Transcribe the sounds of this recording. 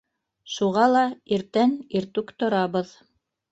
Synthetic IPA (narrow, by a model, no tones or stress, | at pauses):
ʃuʁɑlˠɑiɾt̪æniɾt̪ʉkt̪ŏɾɑβɤð